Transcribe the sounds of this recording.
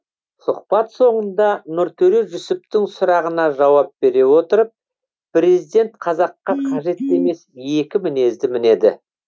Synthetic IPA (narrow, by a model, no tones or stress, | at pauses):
sʊqpɑt̪so̞ɴənd̪ɑnʊɾt̪ʰɵɾeʒʏsɪp̚t̪ɪŋsʊɾɑʁənɑʒɑwɑp̚be̞ɾe̞wo̞t̪əɾəp̚ | pɾe̞zijd̪ʲe̞nt̪qʰɑzɑqːɑqʰɑʒe̞t̪ːe̞me̞sje̞kʲɪmɪne̞zd̪ɪmɪne̞d̪ɪ̰